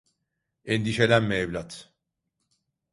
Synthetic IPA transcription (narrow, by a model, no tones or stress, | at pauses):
ɛnd̪iʃelʲænmevlʲat̪